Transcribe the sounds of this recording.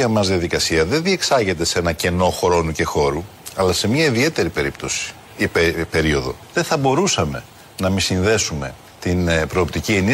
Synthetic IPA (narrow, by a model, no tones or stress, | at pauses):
ɐmɐzðiɐðikɐsiɐðe̞nðie̞ksɐʝe̞t̪e̞se̞nɐce̞no̞xɾo̞nuce̞xo̞ɾuɐlɐse̞mɲɐiðie̞t̪e̞ɾipe̞ɾipt̪o̞si̥ | ipepe̞ɾio̞ðo̞̰ðeθɐbo̞ɾusɐme̞̰ | nɐmisinðe̞sume̞ | t̪inpɾo̞ːpt̪icieni